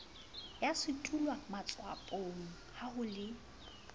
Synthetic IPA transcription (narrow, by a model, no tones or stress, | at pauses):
jasɪtʼulwamat͡sʼwa̰pʼoŋ̩hahʊlɪ